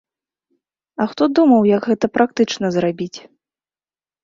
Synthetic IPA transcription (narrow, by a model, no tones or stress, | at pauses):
ɐxt̪ɔd̪umɐwjɐɡɣɛt̪ɐpɾak̚t̪ɨt͡ʂn̪ɐzrabʲit͡sʲ